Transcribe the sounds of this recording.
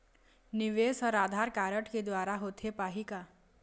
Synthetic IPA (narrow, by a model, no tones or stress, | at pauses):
nɪʋeːsɔɾaːd̪ʱaɾkaːɾəʈked̪waːɾaɦot̪ʰepaːɦika